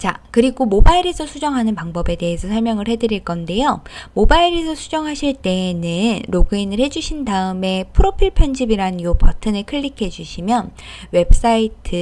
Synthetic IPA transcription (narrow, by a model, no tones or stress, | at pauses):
t͡ɕakɯɾiɡomobaiɾesʰʌsʰud͡ʑʌŋɦanɯnpaŋbʌbe̞de̞esʰʌsʰʌɭmjʌŋɯɭhe̞dɯɾiɭk͈ʌnde̞jomobaiɾesʰʌsʰud͡ʑʌŋɦaɕʰiɭt͈e̞nɯnɾoɡɯinɯɭhe̞d͡ʑuɕʰindaɯme̞pʰɯɾopʰiɭpʰjʌnd͡ʑibiɾaɯnjopʌtʰɯnɯɭkʰɯʎːikʰe̞d͡ʑuɕʰimjʌnwe̞ps͈aitʰɯ